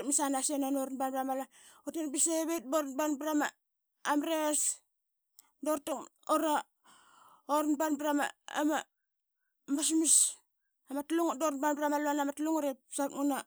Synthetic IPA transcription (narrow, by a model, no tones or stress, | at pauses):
tmisanasenonoɾnbanbɾamala | otenbiseβet̚boɾnbanbɾama | amɾes | doɾtaŋoɾa | oɾnbanbɾama̰ama | mas̬mis | amatluŋdoɾnbanbɾamalanamatluŋoɾesat̚ŋuna